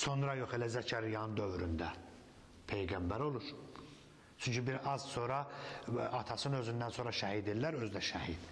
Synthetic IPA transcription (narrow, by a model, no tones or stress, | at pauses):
so̞nɾɑjo̞χelæzæcʰæɾijɑnɯnd̪ø̞vɾynd̪æ | pʰe̞jɡæmbæɾo̞lˠuɾ | t͡ʃʰyɲcʰybiɾɑzso̞ɾɑ | ɑt̪ʰɑsɯnø̞zynd̪ænso̞nɾɑʃæhid̪illːæɾø̞zd̪æʃæhid̪̥